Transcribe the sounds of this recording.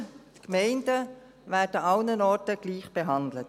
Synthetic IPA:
tkmɛɪndə | ʋæːdəɑwnənɔɹtəɡliːχb̥ɛɦɑnd̪lət

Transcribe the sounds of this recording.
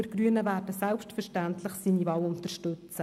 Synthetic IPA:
ɪɾɡ̥ɾyənəvæːɾdəsɛlpʃtfəɾʃtæntlɪχsiːnivɑːlʊntərʃtɵt͡sə

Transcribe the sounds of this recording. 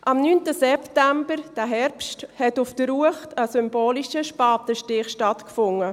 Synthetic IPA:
ʔɑmnyːntəsɛptæmbəɾd̥æɦɛɾpsthɛtʊfd̥əɾuəχtəsʏmboːliʃəʃpɑːtəʃtɪχʃtɑtkfʊŋə

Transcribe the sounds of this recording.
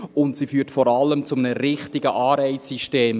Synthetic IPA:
ʊntsifyːtfɔɾɑlːəmt͡sʊmənəɾɪχtɪɡ̥əʔɑːɾɛɪt͡sːiʃteːm

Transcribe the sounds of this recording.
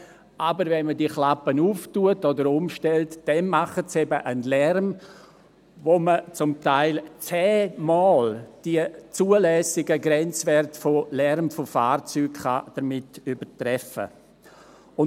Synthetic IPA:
ʔabəɾvɛnmədiəχlapənuːftuətodəɾʊmʃtɛltd̥ɛnmaχətsɛbəʔənlɛɾm | vomət͡sʊmtaɪlt͡sɛːmɔːld̥iət͡suːəlɛːsɪɡəɡɾɛnt͡svɛrtfolɛɾmfofa̰ːɾt͡syːkχad̥əɾmɪtybətɾɛfə̰ | ʊ

